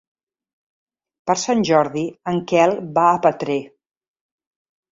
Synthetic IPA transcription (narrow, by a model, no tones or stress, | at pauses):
pəɾsanʲʒɔɾðiəŋkɛlˠbaəpət̪ɾe